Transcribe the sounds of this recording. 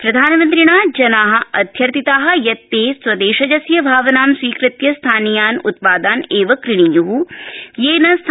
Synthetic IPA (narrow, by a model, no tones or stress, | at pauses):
pɾɐd̪ʱaːnɐmɐnt̪ɾiɳaːd͡ʒɐnaːɦɐ̆ɐd̪ʱjɐɾt̪it̪aːɦɐ̆jɐt̪ːeːswɐd̪eːʃɐd͡ʒɐsjɐbʱaːʋɐnaːmsʋiːkɾɪt̪jɐst̪ʰaːnijaːnut̪̚paːd̪aːneːʋɐkɾiɳ̃ijuɦujeːnɐst̪ʰ